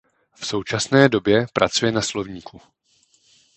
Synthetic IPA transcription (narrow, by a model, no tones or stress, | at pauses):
fso̞wt͡ʃasnɛːdo̞bjɛpɾa̰t͡sujɛnaslo̞vɲiːkʰu